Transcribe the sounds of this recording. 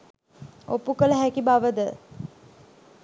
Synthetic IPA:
opukələɦækibaʋəd̪ə

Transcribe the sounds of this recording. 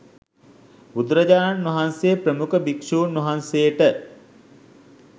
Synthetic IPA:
ud̪ɾəd͡ʒaːnʋɐɦansepɾəmukəbikʂuːnːɐɦansejəʈə

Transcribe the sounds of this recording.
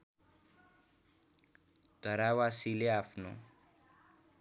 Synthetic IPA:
d̪̥ʱʌɾawasileapʰno̰

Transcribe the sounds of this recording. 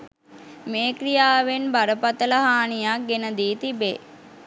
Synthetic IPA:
meːkɾijaːʋenbaɾəpat̪ələɦaːnijak̚ɡenəd̪iːt̪ibḛː

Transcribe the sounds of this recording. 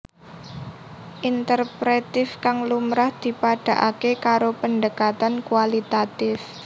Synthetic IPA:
ʔint̪ərpɾet̪ɪfkaŋlumɾahd̪̥i̤paɖ̥a̤ʔakekaɾopəndəkat̪ankuwalit̪at̪ɪf

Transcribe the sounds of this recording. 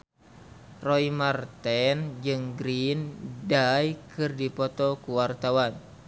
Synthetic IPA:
rɔimart̪ɛnd͡ʒɨŋɡɾindajkɨrdipɔt̪ɔkuwart̪awan

